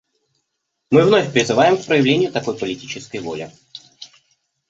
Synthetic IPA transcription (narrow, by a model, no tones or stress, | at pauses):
mɨvnofʲpɾʲɪzɨvajɪmkpɾəjɪvlʲenʲɪjʊt̪ɐko̞jpəlʲɪtʲit͡ɕɪskəjvo̞̰lʲɪ̰